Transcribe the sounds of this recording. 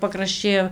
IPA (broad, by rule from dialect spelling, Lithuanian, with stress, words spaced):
pɐkrɐʃʲˈt͡ʃʲɛɪ oː